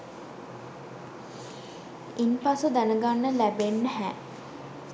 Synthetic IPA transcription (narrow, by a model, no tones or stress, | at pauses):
inpasud̪ænəɡanːəlæbenːəɦæː